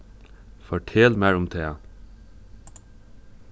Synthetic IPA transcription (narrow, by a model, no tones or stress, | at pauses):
fɔʈʰeːlmæɹʊmt̪ʰeː